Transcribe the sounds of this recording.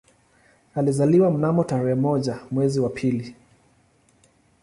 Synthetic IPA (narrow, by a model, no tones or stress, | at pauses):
alizaliwam̩namɔtaɾɛɛmɔʄamwɛziwapʰili